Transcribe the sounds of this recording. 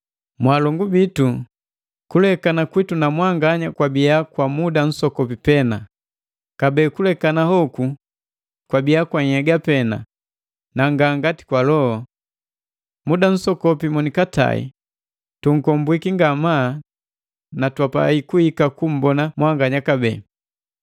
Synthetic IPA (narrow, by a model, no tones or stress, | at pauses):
mwalɔŋɡubitu | kulɛkanakwitunamwaŋɡaɲakwabiakwamudan̩sɔkɔpipɛna | kabɛːkulɛkanahɔku | kwabiakwaɲ̩hɛɡapɛna̰ | naŋɡaŋɡati̥kwalɔhɔ | mudan̩sɔkɔpimɔnikata̰ḭ | tuŋ̩kɔmbwikiŋɡama | natwapa̰ikuhikakum̩bɔnamwaŋɡaɲakabɛː